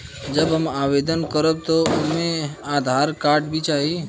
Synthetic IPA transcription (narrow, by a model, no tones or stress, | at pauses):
d͡ʒɐbɦɐmaːweːd̪ənkəɾəb̚t̪oʊnmẽaːd̪ʱaːɾkaːɾɖbʱit͡ʃaːɦi